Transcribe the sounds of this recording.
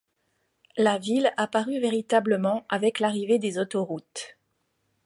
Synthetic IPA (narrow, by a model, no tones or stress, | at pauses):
lavilapaʁyveʁit̪abləmɑ̃avɛklaʁived̪ezot̪ɔʁut̪